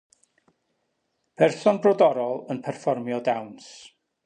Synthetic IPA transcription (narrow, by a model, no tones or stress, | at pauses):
pʰɛrθɔnbrɔdɔɾɔlˠənpʰɛrfɔrmjɔdawns